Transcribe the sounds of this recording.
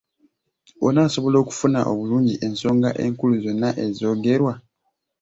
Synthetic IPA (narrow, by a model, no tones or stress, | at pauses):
o̰naːso̞βo̞lo̞ːku̥funaʔo̰βuluːɲɟiʔe̞nso̞ːŋɡaʔe̞ːŋkuluzo̞nːaʔe̞zo̞ːɡe̞ɾwa